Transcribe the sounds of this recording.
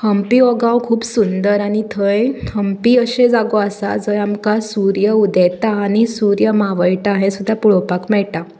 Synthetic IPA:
həmpiːɔɡãwkʰuːbsund̪əɾaɽ̃it̪ʰəjhəmpiːəɕẽd͡zaɡoasa̰d͡zəjamkasuɾjəud̪ɛt̪aːñisuɾjəmaʋəjʈaɦesud̪ʱːapuɭɔpakmɛɭʈa

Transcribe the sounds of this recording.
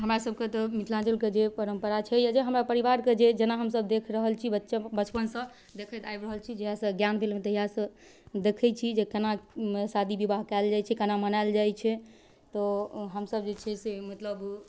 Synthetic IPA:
ɦəmɾasəb̚ket̪ɔmit̪ʰlãd͡ʒəlked͡ʒepəɾəmpəɾat͡ʃʰɛjad͡ʒeɦəmɾapəɾiʋaɾked͡ʒed͡ʒenaɦəmsəb̚d̪ekʰɾəɦəlt͡ʃʰibətːʃbət͡ʃpənsə̃ | d̪ekʰət̪ajbɾəɦəlt͡ʃʰid͡ʒeɦasə̃ɡjanbʰʱelmet̪ɔiɦasə̃ | d̪ekʰɛt͡ʃʰid͡ʒekənamesad̪ʱibibaɦkald͡ʒajt͡ʃʰɛkənamənald͡ʒajt͡ʃʰɛ | t̪ɔɦəmsəb̚d͡ʒet͡ʃʰɛsemət̪ləb

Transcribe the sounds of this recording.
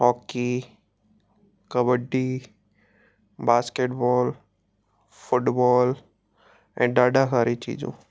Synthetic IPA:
ɦɔːki | kəbəɖːi | baːskeːʈbɔːl | fʊʈbɔːl | ɛ̃ːɖaːɖaɦaːɾit͡ʃḭːd͡ʑṵ̃

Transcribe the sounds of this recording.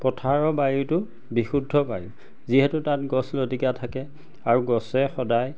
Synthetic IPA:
kɔtʰaɹɔbaɹitʊ | bixudʱːɔbaɹi | ziɦɛtutat̚ɡɔslodikatʰakɛ | aɹuɡɔsɛxɔdaj

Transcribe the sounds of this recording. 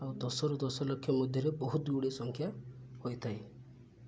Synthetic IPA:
awd̪ɔsɔɾud̪ɔsɔlokʰːjɔmɔd̪ʱjɔɾebɔɦut̪uɽesɔŋkʰjahojt̪ʰaj

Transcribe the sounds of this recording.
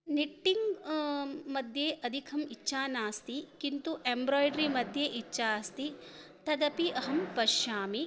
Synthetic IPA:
niʈːiŋɡ | mɐd̪ʱjeːʔɐd̪ʱikʰɐmit͡ʃːʃʰaːnaːst̪ikint̪uʔembɾɔːjɖɾimɐd̪ʱjeʔit͡ʃːʃaːst̪it̪ɐd̪ɐpiʔɐɦɐmpɐʃaːmi

